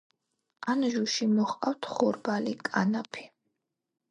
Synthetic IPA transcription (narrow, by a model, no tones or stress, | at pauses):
anʒuʃimɔχqʼawt̪ʰχɔɾbalikʼanapʰi̥